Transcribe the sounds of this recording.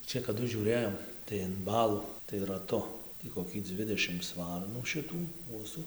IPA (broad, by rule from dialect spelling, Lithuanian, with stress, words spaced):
ˈt͡ʃʲɛ kɐˈdʊ ʒʲuːˈrʲeːjoːm tɐɪ ɪn ˈbɑːlˠuː tɐɪ rɐˈtʊ tʲiː koːˈkʲiː ˈdʲʋʲɪdʲɛʃʲɪms ˈʋɐrnuː ʃʲɪˈtuː ˈkuɔsuː